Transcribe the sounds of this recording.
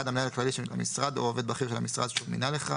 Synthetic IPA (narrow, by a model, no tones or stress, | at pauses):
ad̪amnaaaklaliʃenula̰misʁad̪o̰ove̞d̪baχiʁʃelamisʁa̰d̪ʃuvmḭnaleχa̰